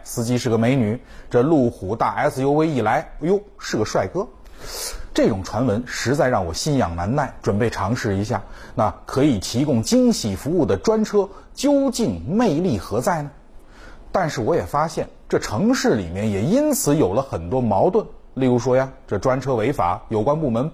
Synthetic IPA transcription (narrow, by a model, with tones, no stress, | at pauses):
sɹ̩˥˧t͡ɕi˧˥ʂɻ̩˥˩ɡə˩me˧˥ɪny˨˩˦ | ʈ͡ʂɤ˥˧lu˥˩xu˨˥˩t̪a˥˩ʔa̰˧˥ɪt͡sɹ̩˧jo˥ʊkwe˥ɪi˨˩la˧˥ɪjo˥ʊʂɻ̩˥˩ɡə˩ʂwa˥˩ɪkɤ˥ | ʈ͡ʂɤ˥˩ʈ͡ʂʊ˨˩ŋʈ͡ʂʰwa˧˥nwə˧˥nʂɻ̩˧˥t͡sa˥˧ɪɻɑ˥˩ŋwɔ̰˨˩ɕi˥˩njɑ˨˩ŋna˧˥nna˥˩ɪʈ͡ʂwə˨˩npe˥˩ɪʈ͡ʂʰɑ˧˥ŋʂɻ̩˥˩i˧˥ɕ̬ja̰˥˩na˥˩kʰɤ˧˥i˨˩t̪ʰi˧˥kʊ˥ŋt͡ɕi˥ŋɕi˨˩fu˧˥u˥˩d̪ə˩ʈ͡ʂwa˥nʈ͡ʂʰɤ˥ | t͡ɕjo˥ʊt͡ɕi˥˧ŋme˥˧ɪli˥˩xɤ˧˥t͡sa˥˩ɪnə˩ | t̪a˥˧nʂɻ̩˥˩wɔ˧˥jɛ˨˩fa˥ɕjɛ˥˩nʈ͡ʂɤ˥˩ʈ͡ʂʰɤ˧˥ŋʂɻ̩˥˩lḭ˨˩mjɛ˥˩njɛ˨˩i˥nt͡sʰɹ̩˧˥jo˨˩ʊlə˦xə˨˩nt̪wɔ˥mɑ˧˥ʊt̪wə˥˩n | li˥˩ɻu˧˥ʂwɔ˥ja˨˧ʈ͡ʂɤ˥˩ʈ͡ʂwa˥nʈ͡ʂʰɤ˥we˧˥ɪfa̰˨˩˦jo˨˩ʊkwa˥npu˥˩mə˧˥n